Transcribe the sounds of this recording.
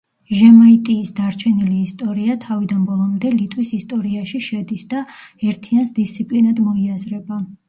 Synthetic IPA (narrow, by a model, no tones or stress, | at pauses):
ʒɛmait̪ʼiːsd̪aɾt͡ʃʰɛniliːst̪ʼɔɾiat̪ʰavid̪anbɔlˠɔmd̪ɛlit̪ʼwisist̪ʼɔɾiaʃiʃɛd̪isd̪̥aɛɾt̪ʰiansd̪ist̪sʰipʼlinad̪mɔiazɾɛba